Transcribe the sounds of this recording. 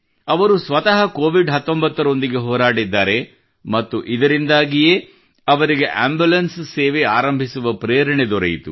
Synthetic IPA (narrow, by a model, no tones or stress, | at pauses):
ɐʋɐɾusʋɐt̪ɐɦɐkoːʋiɖɦɐt̪ːombɐt̪ːɐɾo̞nd̪iɡe̞ɦɔːɾaːɽid̪ːaːɾe̞ | mɐt̪ːuʔid̪ɐɾind̪aːɡije | ɐʋɐɾiɡe̞ʔaːmbulɐnsseːʋeaːɾɐmbʱisuʋɐpɾeːɾɐɳed̪ɔɾɐ̰jit̪ṵ